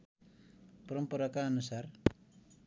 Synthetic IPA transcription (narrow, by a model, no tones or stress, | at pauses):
pʌɾʌmpʌɾʌkaʌnusar